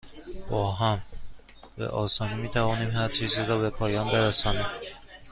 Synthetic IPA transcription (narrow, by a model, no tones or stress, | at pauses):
b̥ɒːɦæm | vḛʔɒːsɒːnimiːt̪ʰævɒːniːmhæɾt͡ʃʰiːziːɾɒːbe̞pʰɒːjɒːnbe̞ɾæsɒːniːm